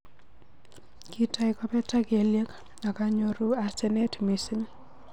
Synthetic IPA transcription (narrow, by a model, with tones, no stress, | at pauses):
ki˦ta˦ɪkɔ˦pɛ˦ta˦ke˨lje˦k | na˨ka˦ɲo˦ɾu˦a˨sɛ˦nɛ˦tmisɪ˦ŋ